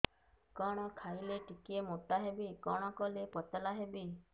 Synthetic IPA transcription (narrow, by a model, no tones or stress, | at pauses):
kɔɽ̃ɔkʰajleʈikiemot̪aɦebikɔɽ̃ɔkɔlepɔt̪ɔlaɦebi